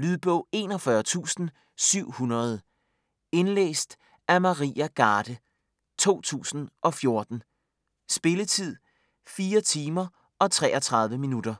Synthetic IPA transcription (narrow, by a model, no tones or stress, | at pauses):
lyðˠb̥ɔʊ̰e̝ːnɒ̽fɶɐt͡sʰṵːsn̩ | syʊ̰hunɐð̞ˠ | e̝nlḛːsd̥ | æmɑʁḭːæɡ̥ɑ̈ːd̥ə | t͡sʰo̝̰ːt͡sʰṵːsn̩ʔɒ̽fjo̝ɐd̥n̩ | sb̥e̝lət͡sʰið̞̰ˠ | fiːɐt͡sʰiːmɐ | ɒ̽t͡sʰʁɛ̰ːʔɒt͡sʰʁɑ̈ð̞ˠʋəminud̥ɐ